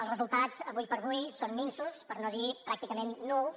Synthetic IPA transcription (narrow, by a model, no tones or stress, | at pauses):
əlˠzrəzulˠt̪azəβujpəɾβujsonminsuspəɾnoðipɾak̚t̪ikəmenːul